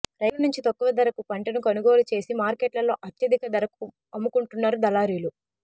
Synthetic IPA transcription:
ɾɐjʋɐnuɲt͡ʃit̪ɐkːuʋɐd̪ɐɾɐkupɐɳʈɐnukɐnuɡo̞ːlut͡ʃe̞ːsimaːɾkeːʈlɐlo̞ːʔɐt̪jɐd̪ikɐd̪ɐɾɐku | ɐmːukuɳʈunːaːɾud̪ɐlaːɾiːlu

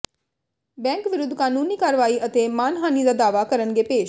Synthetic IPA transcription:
bɛ̃ːŋkʋɪɾʊd̪ʱːkaːnuːniːkaːɾʋaːiət̪emaːnɦaːnid̪aːd̪aːʋakəɾənɡepeːʃ

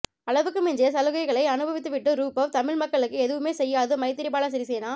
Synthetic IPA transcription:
ɐɭɐʋɯkːɯmɪnd͡ʒeɐsɐlɯɣɐɪɣɐɭɐɪɐnɯbɐʋɪt̪ːɯʋɪʈːɯɾuːpɐʋt̪ɐmɪɭmɐkːɐɭɯkːɯɛðɯʋɯmeːsɛjːaːðɯmɐɪt̪ːɪɾɪp̬ːaːlasɐɾisɛjɐnaː

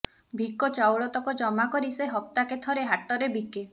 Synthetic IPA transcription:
bʱikɔt͡ʃawɭɔt̪ɔkɔd͡ʒɔmakɔɾiseɦɔp̚t̪aket̪ʰɔɾeɦaʈɔɾebike

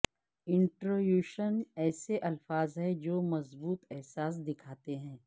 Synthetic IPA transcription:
ɪ̃ɳʈɾoːjuːʃənɛːseʔɐlfaːzɦɛd͡ʒoːmɐzbuːt̪ɛɦsaːs̬d̪ɪkʰaːt̪eɦɛ̃ː

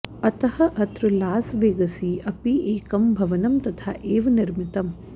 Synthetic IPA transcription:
ɐt̪ɐhɐʔɐt̪ɾulaːsʋeːɡɐsiːʔɐpieːkɐmbʱɐʋɐnɐmt̪ɐt̪ʰaːʔeːʋɐniɾmɪt̪ɐm

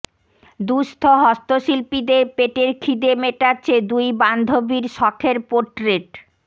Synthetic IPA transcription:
d̪uʃt̪ʰoɦɔst̪oʃilpid̪eɾpeʈeɾkʰid̪emeʈaɕʰed̪ujband̪ʱobiɾʃɔkʰeɾpoɾʈɾeʈ

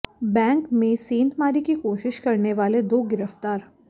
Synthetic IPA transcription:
bɛ̃ːŋkmẽsiːnt̪maːɾikikoːʃɪʃkɐɾneʋaːled̪oːɡɪɾəft̪aːɾ

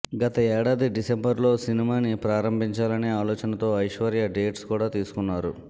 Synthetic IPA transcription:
ɡɐt̪ɐɛːɽaːd̪iɖisembɐɾlo̞ːsinimaːnipɾaːɾɐmbʱiɲt͡ʃaːlɐne̞ːaːlɔːt͡ʃɐnɐt̪o̞ːɐjʂʋɐɾjaɖe̞ːʈskuːɽaːt̪iːsu̥kunːaːɾu

